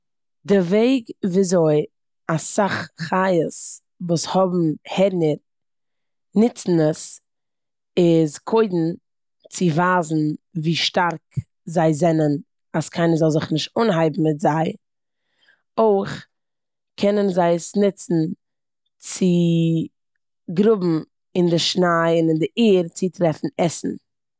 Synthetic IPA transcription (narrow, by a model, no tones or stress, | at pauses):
dɪɾveɪɡviːzoɪ | asaχχajəs | vuːshɔbm̩hɛɾnəɾ | nɪt͡sn̩əs | ɪzkʰoɪdn̩ | t͡sɪvaːzn̩viːʃtaɾk | zaɪzɛnən | askʰaɪnəzɔlˠzɪχnɪʃt̚ʊnɦaɪbm̩mɪtzaɪ | oɪχ | kʰɛnənzaɪəsnɪt͡sn̩ | t͡sɪ | ɡɾʊbm̩ | ɪndɪʃnaɪɪnɪndɪʔiːɾt͡sɪtɾɛfn̩ɛsn̩